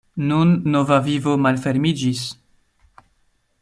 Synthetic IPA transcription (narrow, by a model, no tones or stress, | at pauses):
nunːo̞vavivo̞malfe̞ɾmid͡ʒis